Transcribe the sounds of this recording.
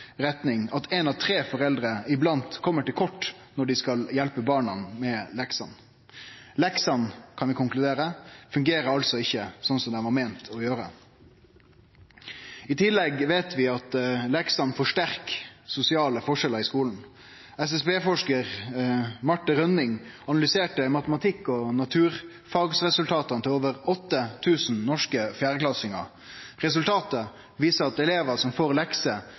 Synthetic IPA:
ɾɛt̪nɪŋɑt̪ʰɛnɑʋt̪ʰɾeːfɔɾɛld̪ɾəɪblɑnt̪kʰɔmːəʈɪlkʰɔʈː | nɔɖɪskɑljɛlpəbɑːɳɑnmɛlɛksɑn | lɛksɑnkʰɑnʋɪkʊŋklʉd̪eːɾəfʉŋɡeːɾəɾɑlsɔɪçːəsɔnsɔmd̪ɛʋɑɾmeːnt̪ʰɔjøːɾə̰ | ɪt̪ʰɪlːɛɡʋeːt̪ʰʋɪɑt̪lɛksɑnfɔʂʈæʁksʊsɪɑːləfɔʂɛləɾɪskuːln̩ | ɛsɛsbeːfɔʂkəʁ | mɑʈːəɾœnɪŋ | ɑnɑlʏseːʈəmɑt̪əmɑt̪ʰɪkːɔnɑt̪ʰʉːʁ | fɑːɡsʁɛsʉlt̪ʰɑːt̪ɑnət̪ʰɪloːʋəɾɔt̪ːət̪ʰʉːsn̩nɔʂkəfjæːɾəklɑsɪŋɑ̰ɾ | ʁɛsʉlt̪ʰɑːt̪ə | ʋiːsəɾɑt̪ɛleːʋəsɔmfoːʁlɛksə

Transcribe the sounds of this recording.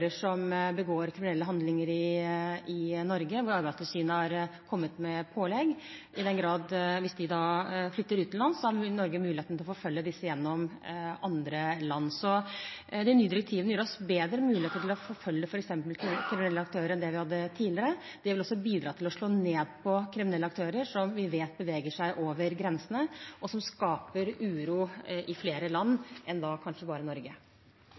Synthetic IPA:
ɾəʂɔmbəɡoːɾkʰɾɪmɪnɛlːəɦɑnd̪lɪŋəɾɪɪnɔɾɡəʋʊɾɑɾbæɪsləsyːnəhɑɾkʰɔmːət̪mɛpʰoːlɛɡ | ɪd̪ɛnɡɾɑːd̪ʋɪsd̪ɪd̪ɑflʏt̪ːəɾʉːt̪ʰːɪlɑnsɔhɑɾnɔɾɡəmʉːlɪeːt̪nɪlɔfɔːfœljːəd̪ɪsːəjɛnːɔmɑnd̪ɾəlɑnːsɔd̪ɛɪnyːd̪ɪɾəkt̪ʰiːʋənəjœːɾɔsbeːd̪ɾəmʉːlɪeːt̪əʈʰɪlɔfoːfœljːəfɔɾɛksɛmpəlkʰɾɪmɪnɛlːəɑkt̪ʰøːɾəɾɛnd̪ɛʋɪhɑd̪ːət̪ʰiːlɪəɾə | d̪̥ɛɾʋɪlɔsːɔbiːd̪ɾɑːt̪ɪlɔʂɭoːneːd̪̚pʰɔkʰɾɪmɪnɛlːəɑkt̪ʰøːɾəɾʂɔmʋɪʋeːt̪̚bəʋeːɡəʂæɪʔoːʋəɾɡɾɛnsənəʔɔsɔmskɑːpəɾʉːɾuːʔɪfleːɾəlɑnːʔɛnd̪ɑkʰɑnʂəbɑːɾənɔɾɡə

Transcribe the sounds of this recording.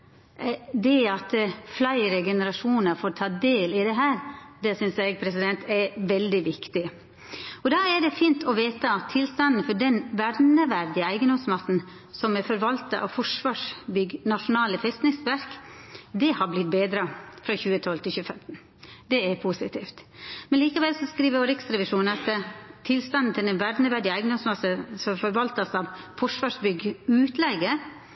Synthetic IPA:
d̪ɛɑt̪flæɪəɾəɡɛnəɾɑʂuːnəɾfoːɾt̪ʰɑːd̪eːlɪd̪ɛɦæːɾd̪ɛsʏnsæɪɡpʰɾɛsɪd̪ɛnt̪ʰɛʋɛld̪ɪʋɪkt̪ɪ | ɔd̪ɑːæɖɛfiːnt̪ʰɔʋeːt̪əɑt̪ʰːɪlst̪ɑnn̩fɔɖɛnʋæɾnəʋæɾd̪ɪæɪɡənd̪ɔmsmɑst̪n̩ | sɔmɛfɔɾʋɑlt̪ɑʔɑ̰fɔʂʋɑːʂbʏɡnɑʂʊnɑːləfɛst̪nɪŋsʋæɾkd̪ɛhɑɾblɪt̪̚beːd̪ɾɑfɾɑçʉːət̪ʰɔlt̪ʰɪlçʉːəfɛmt̪n̩ | d̪ɛɛɾpʰusɪt̪ʰiːft̪mɛnliːkəʋɛlsɔskɾiːʋəɾoɾɪksɾɛʋɪʂuːnəɑt̪t̪ʰɪlst̪ɑnn̩t̪ʰɪlɛnʋæɾnəʋæɖɪəæɪɡənd̪ɔmsmɑsəsɔmfɔɾʋɑlt̪ɑsɑʋfɔʂʋɑːʂbʏɡəʉːt̪ʰlɛɡə

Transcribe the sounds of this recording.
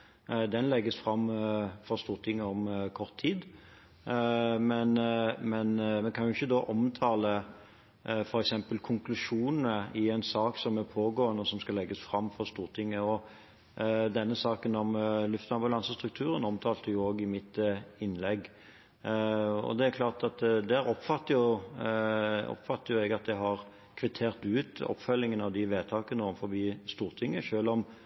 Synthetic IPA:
d̪ɛnlɛɡːəsfʁɑmːfɔɾst̪uːʁt̪ʰɪŋːəɔmkʰɔʁt̪ʰːiːd̪ | mɛnmɛnmɛnkʰɑnjʊɪçːəd̪oːʔɔmt̪ʰɑːlə | fɔɾɛksɛmpəlkʰʊŋklʉʂuːnənəɪɛɪnsɑːksɔmɛpʰoːɡoːənəɔsɔmskɑlɛɡːəsfɾʁɑmːfɔʁst̪uːʁt̪ʰɪŋːəɔ | d̪ɛnːəsɑːkənɔmlʉft̪ɑmbʉlɑnsəst̪ɾʁʉk̚t̪ʰʉːɾənɔmt̪ʰɑːlt̪əjʊoːɡɪmɪt̪ɪnːlɛɡː | ɔ̰d̪ɛæɾkʰlɑːʁt̪ɑt̪d̪æːɾɔpfɑt̪ːəjʊ | ɔ̰pfɑt̪ːəjʊɛɡɑt̪̚d̪ɛhɑʁ | kʰʋɪt̪ʰeːʁt̪ʉːt̪ɔ̰pːfœlːɪŋənəɑʋd̪ɪʋeːt̪ʰɑːkənəɔmfɔbiːst̪uːʁt̪ʰɪŋːəʃøːlɔm

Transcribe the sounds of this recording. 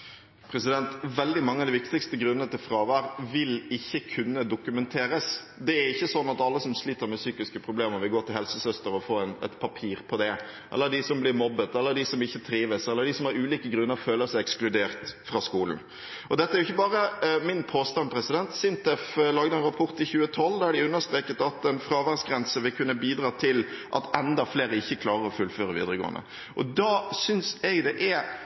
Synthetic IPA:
pʰɾɛsɪd̪ɛnt̪ʋɛld̪ɪmɑŋːəɑd̪ɪʋɪkt̪ɪkst̪əɡɾʉnənət̪ʰɪlfɾɑːʋæɾʋɪlɪçːəkʰʉnːəd̪ʊkʉmɛnt̪ʰeːɾəs | d̪ɛæɾɪçːəsɔnːɑt̪ɑlːəsɔmsliːt̪əɾmɛsyːkɪskəpʰɾʊbleːməʋɪlɡoːt̪ɪlhɛlsəsœst̪əɾɔfoːɛnɛ̰t̪pʰɑpʰiːɾpʰɔd̪ɛʔɛ̰lːəɖ̪ɪsɔmblɪɾmɔbːət̪ɛlːəɖ̪ɪsɔmɪçːət̪ʰɾiːʋəsɛlːəɾɖ̪ɪsɔmhɑɾʉːliːkəɡɾʉnːəɾføːləɾsɛɪɛksklʉd̪eːɾt̪fɾɑskuːln̩ | ʔɔd̪ɛt̪ːəæɾʊɪçːəbɑːɾəmɪnpʰoːst̪ɑnpʰɾɛsɪd̪ɛnt̪sɪnt̪ɛflɑːɡd̪əɛnɾɑpʰɔɾt̪ɪçʉːət̪ʰɔld̪ɑæɖɪʉnːəʂt̪ɾeːkət̪ɑt̪ɛnfɾɑːʋæɾsɡɾɛnsəʋɪlkʰʉnːəbiːd̪ɾɑːt̪ʰɪlʔɑ̰t̪ɛnd̪ɑfleːɾəɪçːəkʰlɑːʁəɾɔfʉlføːɾəʋḭːd̪ɾəɡo̰ːə̰nə̰ | ʔɔd̪ɑːsʏnsɛɡd̪ɛʔæɾ

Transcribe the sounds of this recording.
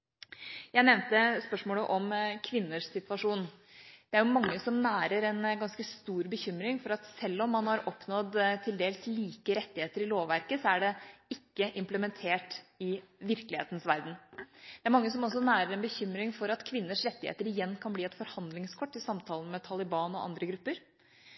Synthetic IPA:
jæɪnɛʋnt̪əspœʂmoːləʔɔmkʰʋɪnːəʂsɪt̪ʋɑʂuːnd̪̥ɛæɾjʊmɑŋːəsɔmnæːɾəɾɛnɡɑnskəst̪uːɾbəçʏmɾɪŋfɔɾɑt̪sɛlːɔmːɑnhɑɾɔpːnɔd̪t̪ʰːɪld̪eːlsliːkəɾɛt̪ːɪheːt̪əɾɪloːʋʋæɾkəsɔæɖɛɪkːəʔɪmpləmɛnt̪ʰeːʈɪʋɪɾkəlɪḛːt̪n̩sʋæɾd̪n̩d̪̥ɛæɾmɑŋːəsɔmɔsːɔnæːɾəɾɛnbəçʏmɾɪŋfɔɾɑt̪kʰʋɪnːəʂɾɛt̪ːɪhḛːt̪əɾɪjɛnːkʰɑnbliːɛt̪fɔɾhɑnd̪lɪŋskʰɔʈːɪsɑmt̪ʰɑːlənmɛt̪ʰɑlɪbɑːnɔ̰ʔɑ̰nd̪ɾəɡɾʉpːəɾ

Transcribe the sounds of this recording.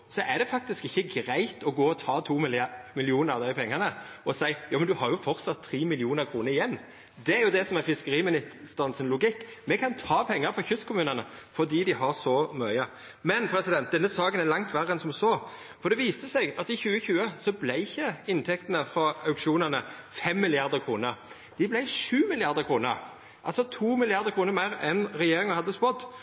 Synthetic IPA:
sɔʔæd̪ɛfɑk̚t̪ɪskɪçːəɡɾæɪt̪ʰɔɡoːɔt̪ʰɑːt̪ʰuːmɪlmɪlɪuːnəɾɑʋd̪æɪpʰɛŋːəʁnə | ɔsæɪjɑːmɛnd̪ʉhɑɾjʊfɔɾt̪sɑt̪ʰːɾiːmɪlɪuːnəɾkʰɾuːnəɾɪjɛnː | d̪ɛæɾjʊd̪ɛsɔmæfɪskəɾiːmɪnɪt̪st̪ɑnsənlʊɡɪkː | mɛkʰɑnt̪ʰɑːpʰɛŋːəɾfɾɑçʏst̪kʰʊmʉːnənə | fɔd̪iːd̪ɪɦɑɾsɔmœʏə | mɛnpʰɾɛsɪd̪ɛnt̪̚d̪ɛnːəsɑːɡənæɾlɑŋt̪ʰʋæʁəɛnsɔmsoː | fɔɾd̪ɛʋiːst̪əsɛɡɑt̪ɪçʉːəçʉːəsɔblæɪɪçːəɪnt̪ʰɛkt̪ənəfɾɑɑʉkʂɪuːnənə | fɛmːɪlɪɑʁd̪əkʰɾuːnəɾ | d̪̥ɪblæɪʂʉːmɪlɪɑɾd̪əkʰɾuːnəɾ | ʔɑlsɔt̪ʰuːmɪlɪɑɾd̪əkʰɾuːnəɾmæɪɾɛnɾɛjeːɾɪŋɑhɑd̪ːəspɔd̪ː

